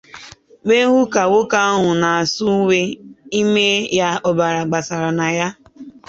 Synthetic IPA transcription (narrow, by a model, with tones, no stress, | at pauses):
me˦ɦʊ˦ka˨wʊ˦ka˦ɔ˦ɦʊ˨na˨a˨sʊ˦we˦i˦me˦ja˦ɔ˨ba˨ɾa˨ɡ͡ba˨sa˨ɾa˨na˨ja˦